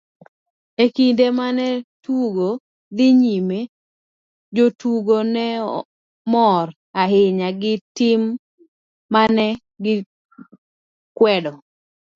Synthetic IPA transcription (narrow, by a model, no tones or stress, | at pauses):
ekindemanɛtuɡo | d̪ɪɲime | d͡ʒotuɡonɛ | mɔr | aɦɪɲaɡɪtɪmː | anɛ | ɡɪ | kwɛdɔ